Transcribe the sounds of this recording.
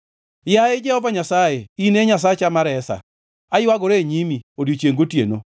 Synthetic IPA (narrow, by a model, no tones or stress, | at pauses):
jaɪd͡ʒɛhɔvaɲasajeineɲasat͡ʃamaɾɛsa̰ | ajwaɡoɾeɲimiodjot͡ʃjeŋɡotjḛno̰